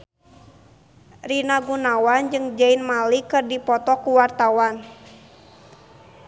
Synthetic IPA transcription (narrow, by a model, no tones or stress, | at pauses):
rinaɡunawand͡ʒɨŋd͡ʒainmalikɨrdipɔt̪ɔkuwart̪awan